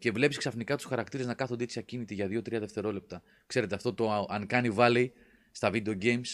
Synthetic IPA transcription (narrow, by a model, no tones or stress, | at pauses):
ce̞vle̞pisksɐfnikɐt̪u̥sxɐɾɐk̚t̪iɾe̞znɐkɐθund̪it̪sɐcinit̪iʝɐðio̞t̪ɾiɐðe̞ft̪e̞ɾo̞le̞p̚t̪ɐ | kse̞ɾe̞t̪e̞ɐft̪o̞t̪o̞ʔɐŋkɐnivɐli | st̪ɐvid̪eo̞ɟe̞jms